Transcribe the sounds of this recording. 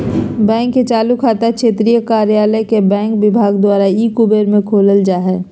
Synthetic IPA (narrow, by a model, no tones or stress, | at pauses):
bɛ̃ːŋkːet͡ʃaːlukʰaːt̪akʃeːt̪ɾijəkaːɾjaːləkebɛ̃ːŋkʋɪbʱaːɡd̪waːɾaiːkubeɾmẽkʰoːləld͡ʒaːɦɛː